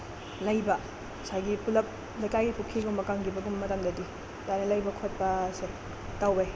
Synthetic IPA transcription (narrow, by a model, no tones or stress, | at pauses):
lɐjbɐ | sajɡipulɐp̚ | lɐjkajɡipukʰːiɡumɐkaŋɡibɐɡumːɐtaŋdɐdi | dajnɐlɐjbɐkʰot̚pɐse | tawbe